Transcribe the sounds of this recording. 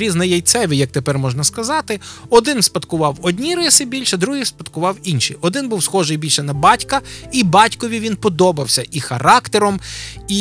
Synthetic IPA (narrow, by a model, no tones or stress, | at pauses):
ɾʲiznɐjɐjt̪sɛʋʲijɐk̚t̪epɛrmɔʒnɐskɐzɑt̪ɪɔd̪ɪnspɐt̪kʊʋɑwɔd̪ʲnʲiɾɪsɪbʲilʲʃɐd̪ɾuɦispɐt̪kʊʋɑwinʃiɔd̪ɪnbuwsxɔʒɪjbʲilʲʃɛnɐbɑtʲkɐibɑtʲkɔʋʲiʋʲinpɔd̪ɔbɐwsʲɐʔixɐɾɑkt̪eɾɔmi